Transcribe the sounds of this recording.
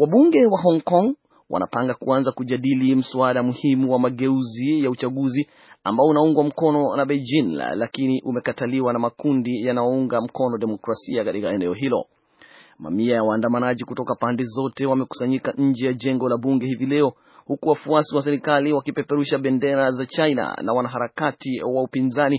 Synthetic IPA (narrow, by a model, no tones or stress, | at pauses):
waɓuŋɡɛwaɦɔŋkɔŋ | wʔa̰na̰paŋɡakuanzakuʄaɗilim̩suaɗamuhimuwamaɡɛuzijaut͡ʃaɠuzi | a̰mbaɔunauŋɡwam̩kɔnɔnabɛd͡ʒina̰lakiniʔumɛkataliwanamakundijanajɔuŋɡam̩kɔnɔɗɛmɔkɾasiakatikaɛnɛɔɦilɔ̰ | ma̰miajawaːndamanaʄikutɔkapandɛzɔtɛwamɛku̥saɲikaɲ̩d͡ʒɛjad͡ʒɛŋɡɔlaɓuŋɡɛhivilɛɔ | hukuwafuasiwas̬ɛɾikaliwakipɛpɛɾuʃaɓɛndɛɾazat͡ʃaina̰na̰wanaɦaɾakatiwaupinzani